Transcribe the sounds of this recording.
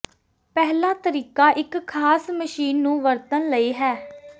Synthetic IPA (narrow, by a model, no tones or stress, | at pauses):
pɛɦlãːt̪əɾiːkaːʔɪkʰːaːsməʃiːnːũːʋəɾt̪ənləiːɦɛː